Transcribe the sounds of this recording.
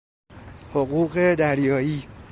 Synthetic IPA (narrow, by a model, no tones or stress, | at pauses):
hoɣuːɣed̪æɾjɒːiː